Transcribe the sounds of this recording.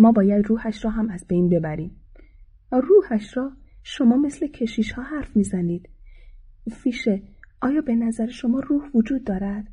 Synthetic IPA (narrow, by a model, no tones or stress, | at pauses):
mɒːbɒːjæd̪ruːhæʃɾɒːɦæmæzbe̞jnbe̞bæɾiːm | ruːhæʃɾɒːʃo̞mɒːme̞sle̞cʰe̞ʃiːʃhɒːɦæɾfmiːzæniːd̪̥ | fiːʃeʔɒːjɒːbe̞næzæɾeʃo̞mɒːruːhvod͡ʒuːd̪ːɒːɾæd̪̥